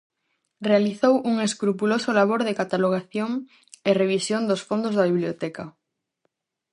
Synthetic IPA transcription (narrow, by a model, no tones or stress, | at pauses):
realiθowuŋeskɾupulosʊlaβ̞oɾðekat̪aloɣ̞aθjoŋ | ɪreβ̞isjond̪osfond̪ozðaβiβljot̪ɛkɐ